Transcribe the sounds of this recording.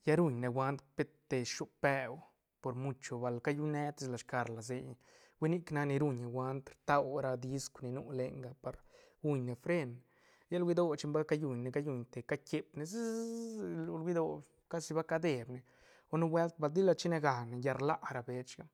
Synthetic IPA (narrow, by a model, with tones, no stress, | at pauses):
ja˦ɾu˧ɲne˨wʷa˧˦nt̪pe˦t̪ːe˨ʃu˦pe˧w | po˨ɾmu˧t͡ʃo˧ba˨lka˦ju˦ne˦t̪i˧sla˨ʃka˨˧ɾla˨ze˧j | wʷe˦ni˦kna˧ni˧ɾu˧ɲe˨wʷa˧˦nt̪ɾt̪a˦wɾa˧d̪i˧skʷni˧nu˧le˧ŋɡa˧pa˨ɾ | ɡu˦ɲne˨fɾe˦n | ja˦lwi˧d̪o˦t͡ʃi˧mba˦lka˦ju˨ɲne˨ka˦ju˧˨ɲt̪e˨ka˦ke˧pne˧zi˦˧ | lu˧lwi˦d̪o˧ | ka˦si˧ba˦ka˦d̪e˨bne˨ | o˦nu˦bwe˦lt̪̚ba˧ld̪i˦la˧t͡ʃi˦ne˧ɡa˨ne˨ja˧ɾla˦ʔɾa˧be˧t͡ʃɡa˦